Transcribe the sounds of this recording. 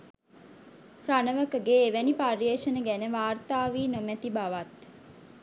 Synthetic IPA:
ranəʋəkəɡeːʋæniparjeːʃənəɡænəʋaːrt̪aːʋiːnomæt̪ibaʋat̪

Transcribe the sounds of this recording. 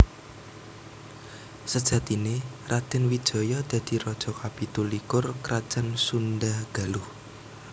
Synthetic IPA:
səd̥ʒ̥a̤t̪inerad̪̥ɛ̤nwid̥ʒ̥ɔ̤jɔd̪̥ä̤d̪̥i̤ɾɔd̥ʒ̥ɔ̤kapit̪ulikʊrkɾad̥ʒ̥ansunɖahɡ̥a̤lʊh

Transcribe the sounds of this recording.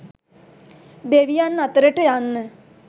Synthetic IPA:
d̪eʋijanːat̪əɾəʈəjanːə

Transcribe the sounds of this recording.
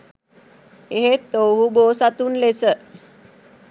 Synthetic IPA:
eɦet̪owɦubosat̪uːnlet͡sə

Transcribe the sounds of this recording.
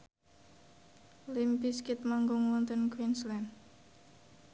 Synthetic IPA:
limpiskit̪̚maŋɡɔŋwɔnt̪ənkwinslɛn

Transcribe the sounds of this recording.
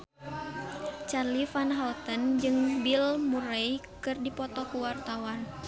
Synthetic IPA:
t͡ʃarlifanɦalt̪ənd͡ʒɨŋbilmuɾejkɨrdipɔt̪ɔkuwart̪awan

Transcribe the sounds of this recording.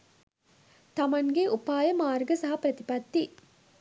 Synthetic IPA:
t̪ɐmɐŋɡeʔupaːjɐmaːɾɡɐsɐɦɐpɾɐt̪ipɐt̪ːi

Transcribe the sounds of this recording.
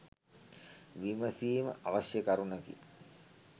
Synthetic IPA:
ʋiməsiːmə̰ʔaʋasjəkɐɾunəkḭ

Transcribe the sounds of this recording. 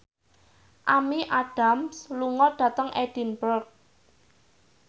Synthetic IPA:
ʔamiʔad̥a̤msluŋɔɖ̥ä̤t̪əŋʔɛd̥i̤nbɔrk̚

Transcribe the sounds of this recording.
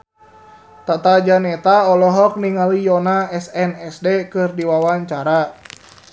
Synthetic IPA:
t̪at̪ad͡ʒanɛt̪aɔlɔɦɔk̚niŋalijɔnaɛsɛnɛsdekɨrdiwawaɲt͡ʃaɾa

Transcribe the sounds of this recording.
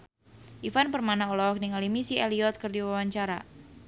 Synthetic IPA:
ʔifanpərmanaɔlɔk̚niŋalimisiʔeliɔt̪̚kɨrdiwawaɲt͡ʃaɾa̰

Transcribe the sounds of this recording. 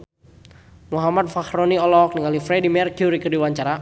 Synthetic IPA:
muɦamat̪̚fahɾoniɔlɔk̚niŋalifɾɛdimɛrkjuɾikərdiwaɲt͡ʃaɾa

